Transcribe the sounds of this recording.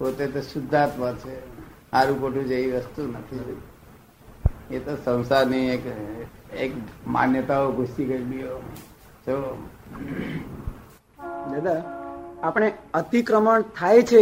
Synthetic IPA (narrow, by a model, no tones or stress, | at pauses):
pot̪et̪oʃʊd̪ʱːat̪ʋət͡ʃʰe | aɾũkoʈʰũd͡ʒeʋiʋəst̪unət̪ʰi | et̪osə̃w̃saɾniek | ekma̰njət̪aoɡʱusikəɾbijo | t̪o | d͡ʒəd̪aapɽ̃eət̪ikɾəməɳt̪ʰajt͡ʃʰe